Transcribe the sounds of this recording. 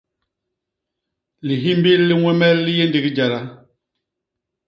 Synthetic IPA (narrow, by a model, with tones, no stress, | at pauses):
li˨ɦi˦m˦bi˦lːi˦ŋwɛ˦mɛ˦lːi˦je˦ndi˨ɡi˦d͡ʒa˨ɾa˨